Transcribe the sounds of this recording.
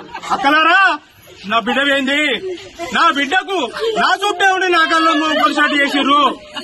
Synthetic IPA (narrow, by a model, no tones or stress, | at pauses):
ɐkːɐlaːɾaː | naːbiɖɐʋeːnd̪inaːbiɖːɐkunaːt͡ʃuːpːeːuɳːɖinaːk̬ɐlːɐmːupɐɾs̬aːʈt͡ʃeːsiɾu